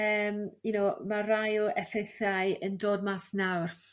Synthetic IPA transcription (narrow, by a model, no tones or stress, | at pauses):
əːminomarajɔʔɛθejθajəndoːdmasnawr